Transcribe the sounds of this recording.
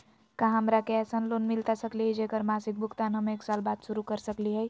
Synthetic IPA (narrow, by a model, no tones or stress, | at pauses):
kãɦɦəmɾakeɛsənlonmilt̪asəkliɦɛd͡ʒekəɾmasik̚bʱʊkt̪anɦəmeːksalbad̪suɾukəɾsəkliɦəj